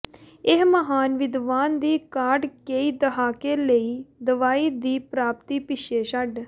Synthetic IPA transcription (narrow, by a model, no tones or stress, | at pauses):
ɪɦməɦaːnʋɪd̪ʋaːnd̪iːkaːɾɖkeiːd̪əɦaːkeːləiːd̪əʋaːiːd̪iːpɾaːpt̪iːpɪʃeːʃəɖ